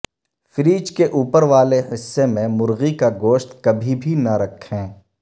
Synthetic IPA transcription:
fɪɾiːd͡ʒkeʔuːpəɾʋaːleɦɪsːemẽmʊɾɣikaɡoːʃt̪kɐbʱibʱinɐɾɐkʰhɛ̃ː

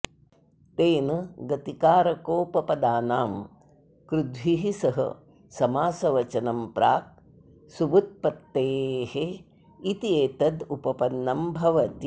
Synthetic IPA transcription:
t̪eːnɐɡɐt̪ikaːɾɐkoːpɐpɐd̪aːnaːm | kɾud̪ʱwiɦisɐɦɐ̰ | sɐmaːsɐʋɐt͡ʃɐnɐmpɾaːk̚ | subut̪̚pɐt̪ːeːhe | it̪ieːt̪ɐd̪upɐpɐnːɐmbʱɐʋɐt̪i

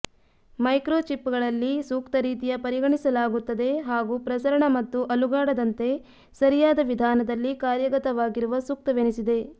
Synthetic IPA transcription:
mɐjkɾoːt͡ʃipːuɡɐɭɐlːisuːkt̪ɐɾiːt̪ijɐpɐɾiɡɐɳisɐlaːɡut̪ːɐd̪e̞ɦaːɡuːpɾɐsɐɾɐɳɐmɐt̪ːuʔɐluɡaːɽɐd̪ɐnt̪e̞ | sɐɾijaːd̪ɐʋid̪ʱaːnɐd̪ɐlːikaːɾjɐɡɐt̪ɐʋaːɡiɾuʋɐsuk̚t̪ɐʋenisid̪e̞

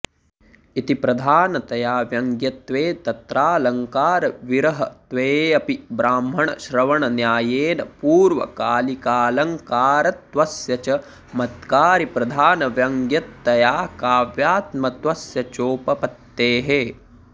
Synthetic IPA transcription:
it̪ipɾɐd̪ʱaːnɐt̪ɐjaːʋjɐŋɡjɐt̪ʋeːt̪ɐt̪ɾaːlɐŋkaːɾɐʋiɾɐɦɐt̪ʋeːɐpibɾaːmɦɐɳɐ̰ʃɾɐʋɐɳɐnjaːjeːnɐpuːɾʋɐ̰kaːlikaːlɐŋkaːɾɐt̪ʋɐsjɐt͡ʃɐ | mɐt̪kaːɾipɾɐd̪ʱaːnɐʋjɐŋɡjɐt̪ːɐjaːkaːʋjaːt̪mɐt̪ʋɐsjɐt͡ʃoːpɐpɐt̪ːeːɦe

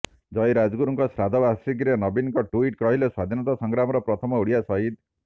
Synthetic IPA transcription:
d͡ʒɔjɾad͡ʒɡuɾɔŋkɔsɾad̪ʱɔbasɾik̬ɾenɔbinɔŋkɔʈuiʈkɔɦileswad̪ʱinɔt̪asɔŋɡɾamɔɾɔpɾɔt̪ʰɔmɔuɽijasɔɦid̪

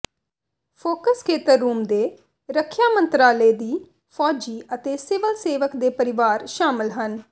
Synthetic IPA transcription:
pʰoːkəskʰeːt̪əɾːuːmd̪eː | ɾəkʰjaːmə̃nt̪ɾaːleːd̪iː | fʰɔːd͡ʒiːət̪eːsɪʋəlseːʋəkd̪eːpəɾɪʋaːɾʃaːmɪlɦən

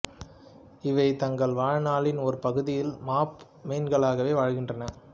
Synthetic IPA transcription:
ɪʋɐɪt̪ɐŋɡɐɭʋaːɻnaːɭɪnɔɾɯpɐɣɯðɪjɪlmaːp | meːnɡɐɭaːɣɐʋeːʋaːɻɣɪndrɐnɐ

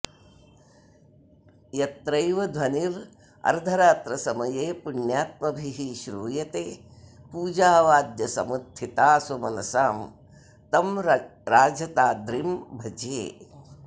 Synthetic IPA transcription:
jɐt̪ɾɐjʋɐd̪ʱʋɐniɾ | ɐ̰ɾd̪ʱɐɾaːt̪ɾɐsɐmɐjeːpuɳjaːt̪̚mɐbʱiɦiʃɾuːjɐt̪eː | puːd͡ʒaːʋaːd̪jɐsɐ̰mɐd̪ʰʱit̪aːsumɐnɐsaːm | t̪ɐmɾɾaːd͡ʒɐt̪aːd̪ɾimbʱɐd͡ʒeː

